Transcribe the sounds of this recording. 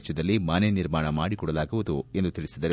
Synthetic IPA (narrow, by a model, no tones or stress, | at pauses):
t͡ʃːɐd̪ɐlːimaːneniɾmaːɳɐmaːɽikɔːɽɐlaːɡuʋud̪ue̞nd̪ut̪iɭisid̪ɐɾe